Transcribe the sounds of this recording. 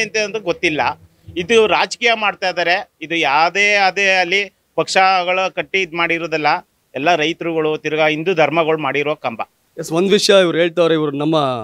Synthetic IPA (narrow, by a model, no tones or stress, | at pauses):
ɐnt̪eːɐnd̪uɡot̪ːilːɐ | id̪uɾaːd͡ʒkiːjɐmaːɖt̪ajd̪aːɾe̞id̪ujaːʋd̪eːɐd̪eɐlːi | pɐkʂɐɡɐɭɐkɐʈːid̪maːɽiɾoːd̪ilːɐ | ɛlːɐɾɐjt̪ɾuɡɐɭut̪iɾɐɡɐind̪ud̪ʱɐɾmɐɡɐɭumaːɽiɾɔʋɐkɐmbɐ | jesʋond̪ʋiʂjɐiʋɐɾuɦeːɭt̪aːɾeiʋɐɾunɐmːɐ